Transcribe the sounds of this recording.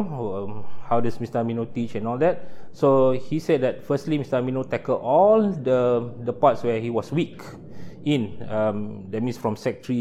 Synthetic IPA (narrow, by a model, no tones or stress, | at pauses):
hawdasmistəminotit͡ʃɛ̃nɔldɛt̚sohisɛd̚dɛt̚fəstlimistəminotɛkəlɔldədəpatswɛhiwɔswik | ĩnʌmdɛt̚mĩnsfɹɔ̃msɛk̚tɹi